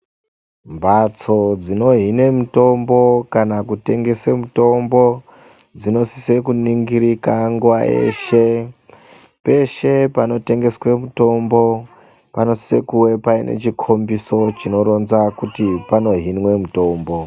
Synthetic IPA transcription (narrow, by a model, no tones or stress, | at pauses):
mbat͡so̞d͡zino̞ɦine̞muto̞mbo̞kanakute̞ŋɡe̞semuto̞mbo̞ | d͡zino̞si̥se̞kuniŋɡiɾikaŋɡuʋaʔe̞̰ːʃe̞ | pe̞ʃe̞pano̞te̞ŋɡe̞swe̞muto̞mbo̞ | pano̞si̥se̞kuwe̞paine̞̰t͡ʃikʰo̞mbiso̞t͡ʃino̞ɾo̞nzakutipano̞ɦinwe̞muto̞mbo̞